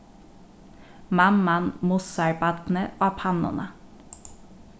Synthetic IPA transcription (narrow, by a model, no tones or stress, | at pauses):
mɑmːɑnmʊsɑɹbɑt̪n̩əʔoːpʰɑnʊ̰nə